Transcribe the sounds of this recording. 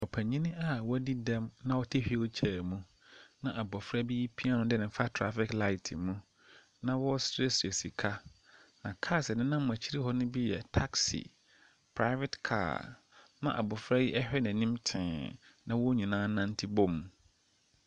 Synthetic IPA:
ɔ˨pʰæ˨ɲĩ˦nɪ̃˦ʔa˦wɔ˦æ˦di˦dɛ̃˦mnã˦wɔ˦tʰe˦hᶣi˦t͡ɕʰɛː˨mũ˦ | nã˨ʔa˨bɔ˨fɾa˦bi˦ji˦pʰi˦a˦nʊ̃˦dɛ˦nɪ̃˨˦fa˦tʰɾa˦fɪ˦kla˦ɪ˨tʰɪ˨mũ˦ | nã˦wɔ˦sɾe˦su˨e˨si˨kʰa˦ | nã˨kʰaː˦sɛ˨nɪ̃˦nã˦mʊ̃˨æ˨t͡ɕʰi˦ɾi˦hɔ˦nʊ̃˦bi˦jɛ̰˨tʰa˦ksḭ˨ | pʰɾa˦ɪ˦vɛ˦tkʰa̰ː˦˨ | mã̰˦ʔa̰˨bɔ˨fɾa˦ji˦ʔɛ˦hᶣɛ˦næ̃˨nĩ˦mtʰɪ̰̃ː˨nã˦wɔ˦ɲĩ˨nãː˦nã˦n˦tʰi˦bɔ˦mːũ˨

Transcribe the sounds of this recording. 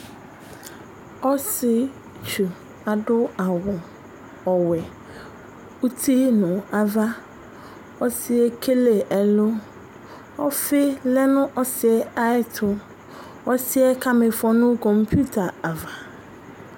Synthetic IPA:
ɔ˦sɪ˨ | t͡ʃu˨ | a˨dʊ˦a˨wʊ˨ | ɔ˨wɛ˨ | u˦tʰi˦nʊ̃˨a˨va˦ | ɔ˦sɪ˦ɛ˦kʰe˦le˨ʔɛ˨lʊ˦ | ɔ˦fɪ˦lɛ˦nʊ̃˦ʔɔ˦sɪ˨ɛ˨a˦ɪ˦tʰʊ˨ | ɔ˦sɪ˦ɛ˦kʰa˦mɪ̃˨fɔ˦nʊ̃˦kɔ̃˨mpʰu˦tʰa˨a˨va˨

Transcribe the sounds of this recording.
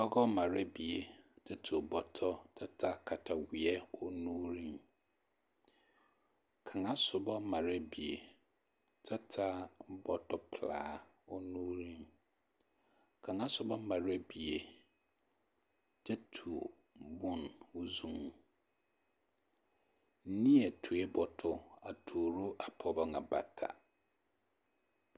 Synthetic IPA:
dɔ˦ɡɔ˦mã˨ɾɛ˦bi˨e˨tʰɛ˦tʰu˨o˨bɔ˨tʰɔ˦tʰa˦tʰa˦kʰa˨tʰa˨wi˨ɛ˦ɔ˦nũː˦ɾĩ˦m | kʰã˨ŋã˦sʊ˨bɔ˦mã˨ɾɛ˦bi˨e˨ | tʰa˦tʰa˦bɔ˨tʰɔ˦pʰla̰ː˨˦ | ɔ˦nũː˦ɾĩ˦m | kʰã˨ŋã˦sʊ˨bɔ˦mã˨ɾɛ˦bi˨e˨ | d͡ʒɛ˦tʰu˨ | bʊ̃˨nwʊ˦zũ˦˨ŋ | n̩˦nĩ˦ɛ˨tʰu˨e˦bɔ˨tʰʊ˦a˨tʰoː˨ɾu˦ʔa˨pʰɔ˨ba˦ŋã˨ba̰˨tʰa̰˨

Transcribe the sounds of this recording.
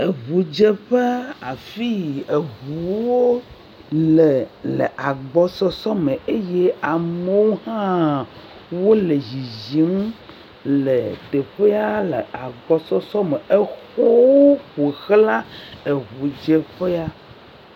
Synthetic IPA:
e˨ɣu˨d͡ʒe˦ɸe˦a˨fi˦e˨ɣuu˨wo˦ | le˨lḛ˨ʔa˨ɡ͡bɔ˨sɔ˦sɔ˦me˨e˦je˦a˨me˦wo˦hã˦ | wo˦le˨zi˨zi˨˦m˦ | le˨t̪e˨ɸe˦a˦lḛ˨a˨ɡ͡bɔ˨sɔ˦sɔ˦me˨e˦xo˦wo˦ɸe˨xla˦e˨ɣu˨d͡ʒe˦ɸe˦a˦

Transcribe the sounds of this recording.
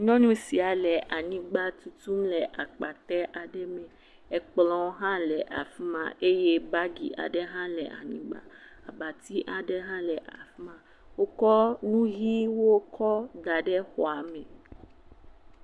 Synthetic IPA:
ɲɔ̃˦nũ˦si˨a˨lɛ˨ʔa˨ɲĩ˨ɡ͡ba˦t̪u˨t̪u˦mlɛ˨ʔa˨k͡pa˨t̪ɛ˦ʔa˨ɖɛ˦mɛ̃˨ | ɛ˨k͡plɔ̃˦wɦã˦lɛ˨ʔa̰˨fi˦mã̰˦˨ʔe˦je˦ba˦ɡḭ˨ʔa̰˨ɖɛ˦ɦã˦lɛ˨ʔa̰˨ɲĩ˨ɡ͡ba̰˦a˨ba˨t̪i˦ʔa˨ɖɛ˦ɦã˦lɛ˨ʔa̰˨fi˦mã˨ | wo˦kɔ˦nũ˦ɣi˦wo˦kʰɔ˦d̪a˨ɖɛ˦xɔ˨a˨mɛ̃˨

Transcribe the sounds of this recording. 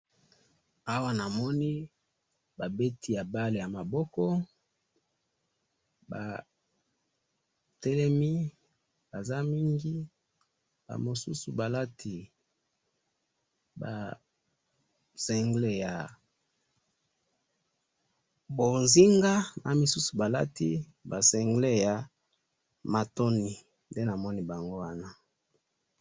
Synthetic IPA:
a˦wa˦na˨mɔ˦ni˦ | ba˨be˦tʰi˨ja˨ba˦le˨ja˨ma˨bɔ˦kɔ˦ | ba̰˨ | tɛ˦lɛ˦mi˦ | ba˨za˦mi˦ŋɡi˦ | ba̰˨mo˨su˦su˨ba˨la˦tʰi˨ | ba̰˨ | sɛ˨ŋɡle˦ja˨ | bo˨nzi˦ŋɡa˦na˨mi˨su˦su˨ba˨la˦tḭ˦ | ba˨sɛ˨ŋɡle˦ja˨ | ma˨to˦ni˨ | nde˦na˨mɔ˦ni˦ba˨ŋɡo˦wa˦na˦

